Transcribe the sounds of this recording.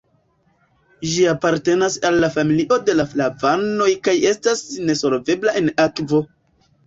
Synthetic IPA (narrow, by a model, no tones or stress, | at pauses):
d͡ʒiapaɾte̞nasalːafamiliʔo̞de̞laflavano̞jkaje̞stasne̞so̞lve̞blae̞nakvo̞